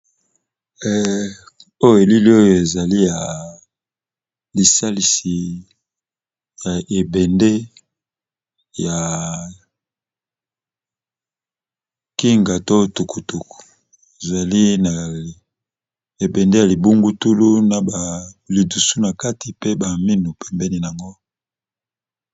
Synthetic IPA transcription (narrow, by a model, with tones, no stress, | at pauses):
o˦jo˨e˨li˦li˦o˦jo˨e˨za˨li˦ja˨ | li˨sa˦li˨si˨ | ja˨ʔe˨bɛ˨nde˦ | ja˨ | ki˦ŋɡa˨to˦tu˨ku˨tu˨ku̥˨ | e˨za˨li˦na˨ | e˨bɛ˨nde˦ja˨li˨bu˦ŋɡu˦tu˦lu˦na˨ba˨li˨du˨su˦na˨ka˦ti˨pe˦ba˨mi˦nu˨pʰɛ˨mbɛ˦ni˦n˨a˨ŋɡo˦